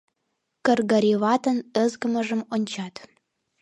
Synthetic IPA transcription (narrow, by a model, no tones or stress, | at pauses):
kə̆rɣə̆ɾʲiβɑt̪ə̆nə̆zɡə̆mə̆ʒə̆monʲt͡ɕɑt̪